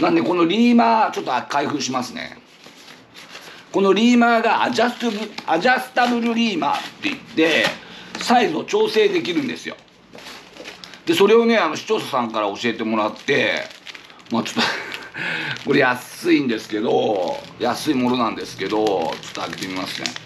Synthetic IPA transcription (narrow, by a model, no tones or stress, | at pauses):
nãnd̪e̞ko̞no̞ɾʲiːmaːt͡ɕo̞t̪ːoakaiɸɯ̟ːɕimasɨnḛ | ko̞no̞ɾʲiːmaːɡaaʑast̪ɯbɯaʑasɨ̥t̪abɯ̟ɾɯ̟ɾʲiːma̰ːt̪ːe̞it̪ːe̞ | saizo̞t͡ɕo̞ːse̞ːd̪e̞kʲiɾɯ̟̃nd̪e̞sɨjo̞̰ | d̪̥e̞so̞ɾe̞o̞ne̞ano̞ɕi̥t͡ɕo̞ːsasãŋkaɾao̞ɕie̞t̪e̞mo̞ɾat̪ːe̞̰ | maːt͡ɕo̥t̪ːo | ko̞ɾe̞jasɨĩnd̪e̞sɨ̥ke̞d̪o̞jasɨimo̞no̞nãnd̪e̞sɨ̥ke̞d̪o̞t͡ɕo̥t̪ːoaɡe̞t̪e̞mʲima̰sɨ̥sḛ̃